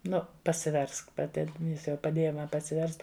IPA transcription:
ˈnʊ pɐsʲɪˈʋʲɛrsk pɐˈtʲɪ ˈjɪs jɛʊ pɐˈdʲeːjɛ ˈmɐ pɐsʲɪˈʋʲɛrst

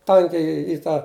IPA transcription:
ˈtɐŋʲkʲɛɪ ɪ ˈtɑː

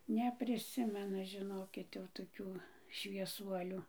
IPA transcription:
nʲɛpʲrʲɪˈsʲɪmʲɛnʊ ʒʲɪˈnoːkʲɪt jɛʊ toːˈkʲuː ʃʲʋʲiɛˈsuɔlʲʊ

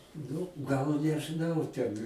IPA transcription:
ˈnʊ ɡɐlˠ nʲɛʒɨˈnɐʊ ˈtʲɛn

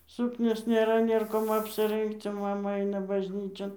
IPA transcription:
ˈsʊknʲoːs nʲeːˈrɐ ˈnʲeːr koːm ɐpʲsʲɪˈrɜŋkt͡s oː ˈmɑːmɐ ˈɐɪnɐ bɐʒʲˈnʲiːt͡ʃʲoːn

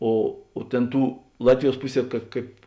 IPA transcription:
ˈoː oː ˈtʲeːn ˈtuː ˈlˠɑːtʲʋʲɪˌjuɔs ˈpʊˌsʲiɛ kɐt ˈkɐɪp

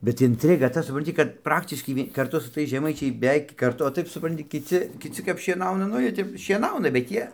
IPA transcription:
bʲɛt ɪnʲtʲˈrʲɪɡɐ ˈtɐ sʊprɐnʲˈtʲɪ kɐt ˈprɑːktʲɪʃkɐɪ ˈʋʲiɛ kɐrˈtʊ sʊ ˈtɐɪs ʒʲɛˈmɐɪt͡ʃʲɛɪ bʲɛˈʋʲɛɪk kɐrˈtʊ oː ˈtɐɪp sʊˈprɐnʲtʲɪ kʲɪˈt͡sʲɪ kʲɪˈt͡sʲɪ kɐp ʃʲiɛˈnɐʊnɐ ˈnʊ ˈjiɛ ˈtʲɛp ʃʲiɛˈnɐʊnɐ bʲɛt ˈjiɛ

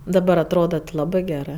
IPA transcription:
dɐˈbɐr ɐtˈroːdɐ tʲɪ ˈlˠɑːbɜ ˈɡʲæːrɜ

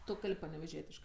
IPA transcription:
ˈtʊ ˈkɐlʲpʲ pɐnʲɛʋʲɛˈʒʲiɛtʲɪʃkɜ

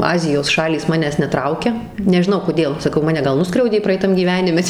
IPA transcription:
ˈɑːzʲɪjoːs ˈʃɑːlʲiːs ˈmɑːnʲæːs nʲɛˈtrɐʊkʲɛ nʲɛʒʲɪˈnɐʊ koːˈdʲeːlˠ sɐˈkɐʊ ˈmɑːnʲɛ ˈɡɐlˠ ˈnʊskrʲɛʊdʲeː prɐɛɪˈtɐm ɡʲiːˈʋʲæːnʲɪmʲɛ

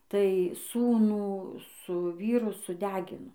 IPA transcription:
tɐɪ ˈsuːnuː sʊ ˈʋʲiːrʊ sʊˈdʲæːɡʲɪnoː

